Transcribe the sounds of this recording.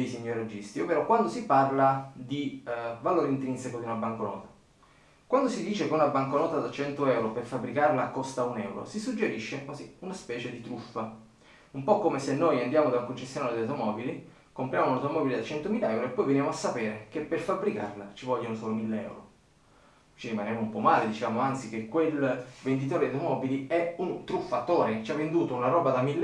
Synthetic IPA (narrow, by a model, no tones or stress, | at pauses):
ejsiɲːoɾad͡ʒist̪ioveɾɔkwand̪osiparlad̪ivaloːɾeint̪ɾinsekod̪iunabːaŋkonɔ̰ːt̪ḁ | kwand̪osid̪iːt͡ʃekeunabːaŋkonɔːt̪ad̪at͡ʃɛnt̪oɛwɾoperfabːɾikarlakːost̪aunɛwɾo̰sisud͡ʒːeɾiʃːekwaziunaspɛːt͡ʃed̪it̪ɾufːa | umpɔkːomesenːojand̪jaːmod̪auŋkont͡ʃesːjonanled̪awt̪omɔːbili | kompɾjaːmounawt̪omɔːbiled̪at͡ʃɛnt̪omiːlaɛwɾoepːɔjvenjamoasːapeːɾek̟epːerfabːɾika̰rlat͡ʃivɔʎːaunosɔːlomilːeɛ̰wɾo̰ | t͡ʃiɾimanɛmoumpɔmaːled̪it͡ʃevaːmoant̪sik̟ekːwelvend̪it̪̬oːɾed̪at̪omɔːbiliɛunt̪ɾufːat̪ːoːɾet͡ʃavːend̪uːt̪ounaɾɔːbad̪amilː